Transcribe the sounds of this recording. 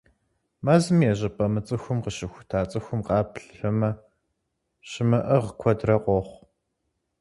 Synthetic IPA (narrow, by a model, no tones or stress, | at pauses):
mɐzɨmjɛʑɐpʼɐmɨt͡sʼɨxʷʊmqəʃɪxʷʊ̥tʰaːt͡sʼɨxʷʊmqɑːpɬfɐmɐ | ɕɪmɐʔɐʁəkʷʰɔdrɐqʷɔχʷ